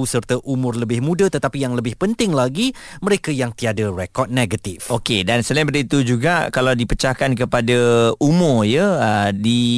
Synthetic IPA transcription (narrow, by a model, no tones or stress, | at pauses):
usərt̪əʔumʊrləbɪhmũdət̪ət̪apijaŋləbɪhpənt̪ɪŋlaɡiməɾekajaŋt̪iadərɛkɔt̪̚neɡat̪ifokedansəlaĩpədəit̪ud͡ʒuɡakalawdipət͡ʃahkankəpadaumʊrjəədi